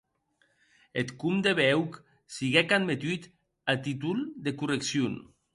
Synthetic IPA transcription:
et̪kumd̪eβɛwk | siɣɛkad̪met̪yt̪ | at̪it̪uld̪ekureksjun

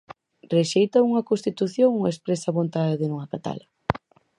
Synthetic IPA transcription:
reʃejt̪ɐuŋɐkonst̪it̪uθjoŋuespɾesɐβont̪aðɪðɪnuŋɐkat̪a̰lɐ

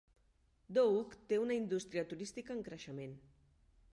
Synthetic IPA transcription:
d̪oukt̪eunəind̪ust̪ɾiət̪uɾist̪ikəːŋkɾəʃəmen

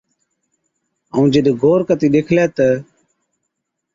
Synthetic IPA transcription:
əũːd͡ʒɪɗɡʱoːɾkət̪iːɗeːkʰlɛːt̪ə

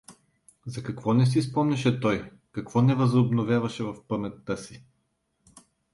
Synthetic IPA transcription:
zɐkɐkvɔnɛs̬is̬pɔmnɛʃɛt̪ɔj | kɐkvɔnɛvəzʊbnovʲjavɐʃɛvɐfpəmɛt̪ːəsi

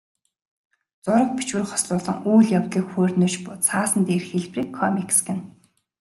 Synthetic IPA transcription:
t͡sʊɾə̆k̚pit͡ɕwɘ̆rχɔ̥sɮʊːɮɞ̆ŋuːɮjawt̪ɮiːkxoːrnoːt͡ɕpʊt͡sʰaːsə̆nt̪eːrxeɮpriːkʰːɔmiksɡɘ̆n

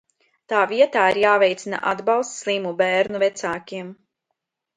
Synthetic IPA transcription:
t̪aːviɛt̪aːiɾjaːvɛjt̪sʲina̰ʔad̪balˠst̪slˠiːmubæːɾnuvɛt̪saːkʲiɛm

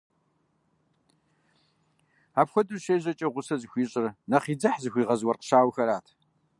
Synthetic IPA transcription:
aːpxʷɔdʼɨrɕeːʑɐt͡ʃʼɐʁʷʊsɐzɨxʷiːɕʼɪrnɐχiːd͡zɐħzɨxʷiːʁɐzwɐrqə̥ɕaːwxɐɾaːtʰ

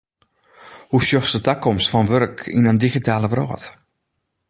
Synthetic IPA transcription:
husjɔxsətakɔmstfɔnʋørkʰḭnəndixitaːləʋrɔ̰ːt

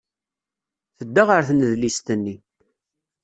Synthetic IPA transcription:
θəd̪ːaʁəɾθnəðlist̪ənːi

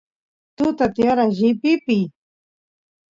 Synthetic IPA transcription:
t̪ut̪at̪jaɾaʒipipi

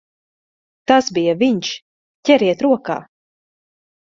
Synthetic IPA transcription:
t̪asbijaviɲʃ | cʲɛɾiɛt̪ɾuɔka̰ː

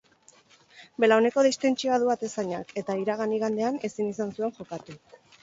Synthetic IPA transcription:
be̞laone̞ko̞ð̞ist̪e̞nt͡ʃiaðuat̪e̞saɲa̰ke̞t̪aiɾaɣ̞aniɣand̪e̞ane̞sinisansue̞ŋʝo̞kat̪u

